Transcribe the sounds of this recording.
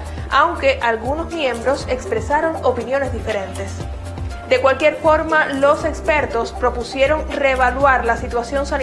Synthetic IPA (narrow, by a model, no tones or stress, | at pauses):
awŋke̞ʔalɣuno̞zmjẽ̞mbɾo̞se̞kspɾe̞saɾo̞ŋo̞pinjo̞ne̞zðife̞ɾẽ̞nt̪e̞s | d̪e̞kwalkje̞ɾfo̞ɾmalo̞se̞kspe̞ɾt̪o̞spɾo̞pusje̞ɾo̞ŋreβalwaɾlasit̪wasjo̞nsan